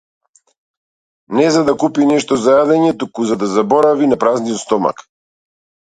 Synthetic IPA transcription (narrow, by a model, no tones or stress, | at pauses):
nɛzad̪akupinɛʃt̪ɔzajad̪ɛɲɛt̪ukuzad̪azabɔɾavinapɾazniɔt̪st̪ɔma̰k